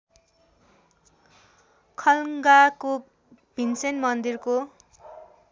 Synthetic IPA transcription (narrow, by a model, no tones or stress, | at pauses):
kʰʌlŋɡako | b̥ʱinsenmʌnd̪irko